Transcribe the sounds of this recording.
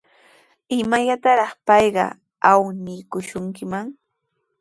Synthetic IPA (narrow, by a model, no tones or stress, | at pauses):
ɪmaʎat̪aɾɑχpɑjɢɑ̰ | awnɪkʊʃʊŋkɪmaŋ